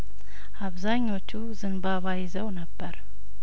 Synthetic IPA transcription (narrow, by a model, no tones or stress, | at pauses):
ʔaβzaɲːo̞t͡ʃːuzɨnbaβajɪzəwnəbːəɾ